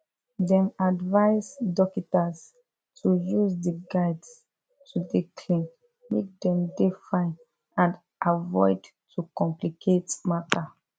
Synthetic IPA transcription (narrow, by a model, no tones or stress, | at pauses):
dɛ̃madvaɪsdɔkitas | tʰujuzdeɡaɪds | tʰudikʰlĩn | mek̚dɛ̃mdefãɪn | ãnd | ʔavɔɪd | tʰukɔ̃mplikʰetmatʰa